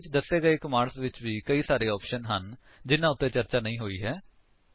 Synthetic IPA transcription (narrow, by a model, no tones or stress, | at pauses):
ɪt͡ʃd̪əsːeːɡəeːɪkmaːɾsʋɪt͡ʃʋiːkəiːsaːɾeːɔːpʃənɦən | d͡ʒɪnãːʊt̪ːẽːt͡ʃəɾt͡ʃaːnəĩːɦoːiːɦɛː